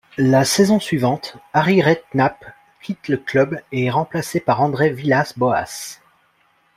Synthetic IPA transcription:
lasɛzɔ̃sɥivɑ̃t̪aʁiʁɛt̪nap | kʲit̪ləklœbeɛʁɑ̃plasepaʁɑ̃d̪ʁevilasbɔa̰s

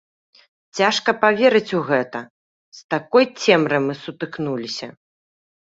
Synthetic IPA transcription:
t͡sʲaʂkɐpavʲeɾɨt͡sʲuɣɛt̪ɐ | st̪akɔjt͡sʲɛmɾɨmɨsut̪ɨknulʲisʲɐ

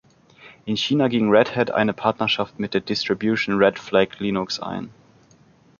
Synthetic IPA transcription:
ʔɪnçiːnaɡɪŋʁɛthɛdʔa̰ɪnəpʰaɐtnɐʃaftmɪt̚d̥eːɐdɪstʁ̥ibjuʃn̩ʁɛtflɛkʰliːnʊksʔa̰ɪn

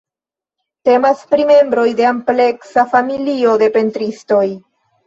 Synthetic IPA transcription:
te̞maspɾime̞mbɾo̞jde̞ample̞ksafamilio̞de̞pe̞ntɾisto̞j

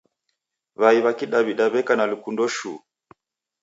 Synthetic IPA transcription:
βaiβakiɗaβiɗaβɛkanalukundɔʃṵ

